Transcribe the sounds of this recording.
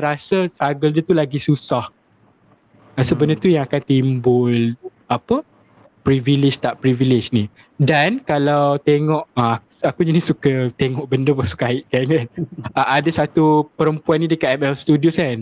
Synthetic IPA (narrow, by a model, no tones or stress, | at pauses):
ɾasəsaɡəldət̪ulaɡisusah | asəbənət̪ujãŋakant̪imbʊl | apə | pɾivilɪd͡ʒt̪aʔpɾivilɪd͡ʒni | dankalawt̪eŋɔʔəa | akuɲanisukət̪eŋɔʔbəndəpasu̥kaɪʔ̚kankanaʔadasat̪upəɾəmpuanːĩdəkaʔ̪̚ɛmɛlst̪udioskan